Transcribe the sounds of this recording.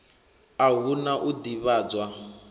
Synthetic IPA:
aɦunaʔudiβaːd͡zwa

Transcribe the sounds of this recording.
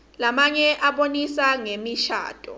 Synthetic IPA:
lamaɲɛʔaɓonisaŋemiʃa̰ːd̥ʼʱɔ̰

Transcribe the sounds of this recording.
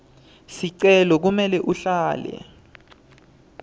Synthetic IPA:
siǀɛlɔk̬umɛlɛʔuɬaːlɛ̰

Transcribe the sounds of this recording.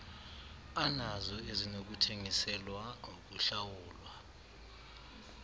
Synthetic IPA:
anazɔezinok̬utʰeŋisɛlwaŋok̬uɬawuːlwa

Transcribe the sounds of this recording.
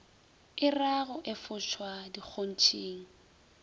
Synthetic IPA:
ɪraɣʊʔɪfʊʃwadik͡xʰon̩t͡ʃʰʼeːŋ̩

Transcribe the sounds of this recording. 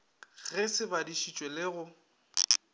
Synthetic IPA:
ɣɛsɪbadiʃit͡ʃʼwelɪɣʊ

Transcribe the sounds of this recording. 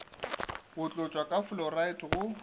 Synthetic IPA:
bʊt͡ɬʼʊt͡ʃʼwakʼaflɔraitʰʼɣʊ

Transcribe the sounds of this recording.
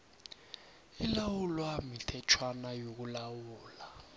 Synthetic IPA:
ilawulwamitʰɛt͡ʃʰwanajok̬ulawuːla

